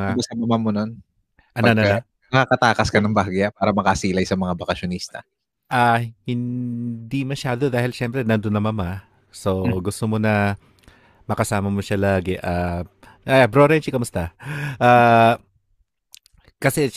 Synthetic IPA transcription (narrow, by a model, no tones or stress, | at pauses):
akɐsamɐmamonon | ʔɐnanɐna | ɐɐkakɐt̪aːkɐskɐnɐŋbaɡjapaːɾɐmɐkasiːlɐjsɐmɐŋabɐkɐʃjonist̪ɐ̰ | ʔaːhɪnd̪imɐʃaːd̪od̪aːhɪlʃɛmpɾɛnɐnd̪onɐmɐma | so̞ɡʊst̪omo̞nɐ | mɐkɐsaːmɐmoʃalaːɡɛʔaː | ʔajabɾoɾɛnt͡ʃikɐmʊst̪aʔaː | kɐsɛ